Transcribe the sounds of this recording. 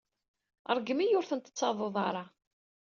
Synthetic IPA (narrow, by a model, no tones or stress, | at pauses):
ə̰ɾˤɡəmijʊɾθənt̪ə̥t͡sːɑðˤoðˤɑɾˤɑ